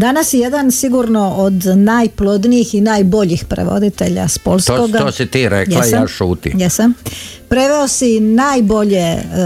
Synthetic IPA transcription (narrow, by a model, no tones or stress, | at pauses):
d̪anasjejed̪ansiɡuɾno̞ʔod̪najplˠo̞d̪nijixinaːjbo̞ʎixpɾḛʋo̞̰d̪it̪e̞ʎa̰spo̞lˠskoɡ̪osit̪iːɾekjɛlasjaːʃuːt̪ḭjɛsampɾe̞ʋe̞osinajbo̞ʎe̞